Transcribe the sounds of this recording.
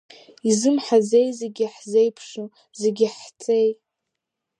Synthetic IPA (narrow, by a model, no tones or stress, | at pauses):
izɨmħaze̞jzeɡʲiħze̞jpʰʂu | zeɡʲɪħt͡sʼej